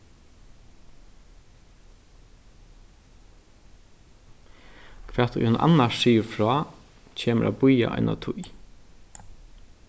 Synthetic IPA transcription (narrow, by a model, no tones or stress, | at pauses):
kʰʋɛːt̪ʊ̰jhʏnʔa̰nːaiːɾfɹɔː | cʰeːməɾʔa̰ːbʊja̰ʔɔ̰jna̰t̪ʰʊj